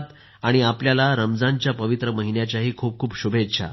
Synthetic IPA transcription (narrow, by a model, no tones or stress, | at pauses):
t̪ | aɽ̃iapljalaɾəmd͡zãɲt͡ɕjapəʋit̪ɾəməɦinjat͡ɕjaɦiːkʰuːp̚kʰuːpɕubʱetɕʰa̰